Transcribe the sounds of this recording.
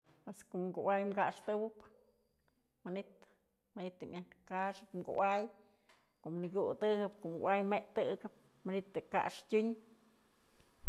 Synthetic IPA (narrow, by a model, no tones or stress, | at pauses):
eskoʔŋɡuwajmɡaʂt̪ɨwɨp | manit̪ | manit̪ɨmjankaʂɨpmɡṵʔaj | koʔmniɡut̪ɨhɨpkoʔmɡṵʔajmeʔt̪ɨɡɨp̚ | manit̪ɨka̰ʔʂtʲuɲ